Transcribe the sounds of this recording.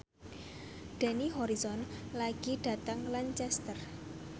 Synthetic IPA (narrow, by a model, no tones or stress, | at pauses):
ɖ̪̥ɛ̤niɦɔɾisɔnlaɡ̥iɖ̥a̤t̪aŋlant͡ʃɛst̪ər